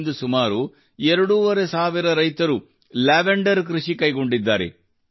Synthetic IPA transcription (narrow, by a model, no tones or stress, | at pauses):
nd̪usumaːɾu | ɛɾɐɽuʋɐɾesaːʋiɾɐɾɐjt̪ɐɾu | laːʋeɳɖɐɾkɾuʂikɐjɡo̞ɳɖid̪ːaːɾe̞̰